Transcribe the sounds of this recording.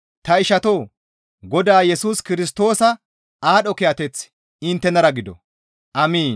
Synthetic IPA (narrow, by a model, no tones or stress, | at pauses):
t̪ɐɪʃɐt̪o̞ː | ɡɔd̪aːjɛsuːskɪɾɪs̬t̪o̞ːsɐ | aːɗɔkɛjɐt̪ɛt͡s | ɪnt̪ːɛnɐɾɐɡɪd̪ɔ̰ | ʔɐmiːn